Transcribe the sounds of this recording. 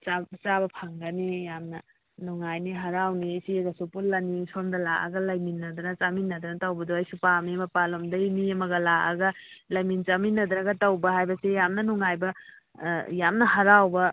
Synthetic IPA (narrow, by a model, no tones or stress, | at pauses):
t͡ʃat͡ʃabɐpʰaŋɡɐnijamnɐ | nuŋajniɦɐɾawnisiɡɐsopulːɐnisondɐlaʔɐ̰ɡɐlɐjminːɐd̪ɐnɐt͡ʃaminːɐd̪ɐnɐtawbɐdoɐjsupamimɐpalomdɐjniɐmɐɡɐlaʔaɡɐlɐjmint͡ʃaminːɐd̪ɾɐɡɐtɐwbɐɦajbɐsejamnɐnuŋajbɐ | jamnɐhɐɾawbɐ